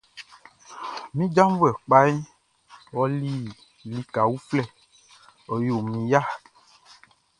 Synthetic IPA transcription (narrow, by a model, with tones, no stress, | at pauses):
mĩ˦d͡ʒã˦m˦vu˦ɛ˨k͡pa˦i˦ | wɔ˦li˦ | li˨ka˨wu˦flɛ˦˨ | ɔ˨jo˨mĩ˨ja˦